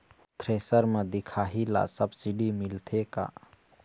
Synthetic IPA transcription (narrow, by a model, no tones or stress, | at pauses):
t̪ʰɾesəɾmẽd̪ikʰaɦila̰səbsiɖimilt̪ʰeka̰